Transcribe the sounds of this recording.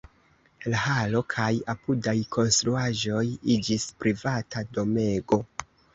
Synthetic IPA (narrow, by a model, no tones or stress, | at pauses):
lahalo̞kʰajapudajkʰo̞nstɾuaʒo̞jid͡ʒispɾivatado̞me̞ɡo̞